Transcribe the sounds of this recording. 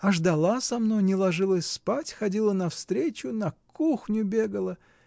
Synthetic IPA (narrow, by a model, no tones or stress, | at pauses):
ɐʐd̪ɐlˠasɐmno̞jnʲɪlˠɐʐɨlˠəsʲspatʲxɐdʲilˠənɐfst̪ɾʲet͡ɕʊnɐkuxnʲʊbʲe̞ɡəlˠə